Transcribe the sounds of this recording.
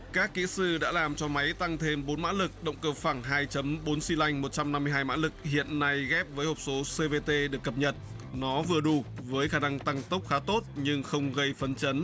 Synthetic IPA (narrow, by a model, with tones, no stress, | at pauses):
kaː˦˥kːḭ˧˥sɨ˧ɗa̰ː˧˥laː˨˩mt͡ɕɔ˧ma˨˦jt̪a˧ŋt̪ʰe˧mɓo˨˦nma̰ː˧˥lɨ˨˩k̚ɗə̰˧˨wŋ͡mkəː˧˩faː˧˩ŋɦaː˧jt͡ɕə˨˦mɓo˨˦nsi˧la˧jŋ̟mo˨˩t̚t͡ɕa˧mna˧mː˧əjɦaː˧jma̰ː˧˥lɨ˨˩k̚hḭ˧˨ənːa˧jɣɛ˦˥p̚vəː˨˦jho˨˩k͡p̚so˨˦se˧ve˧t̪e˧ɗɨ˨˩əkːə˨˩p̚ɲə˨˩t̚ | nɔ˨˦vɨ˨˩əɗu˧˩vəː˨˦jxaː˧˩na˧ŋt̪a˧ŋt̪ə˦˥wk͡p̚xaː˨˦t̪o˦˥t̚ɲɨ˧ŋxə˧wŋ͡mɣə˧jfə˨˦nt͡ɕə˨˦n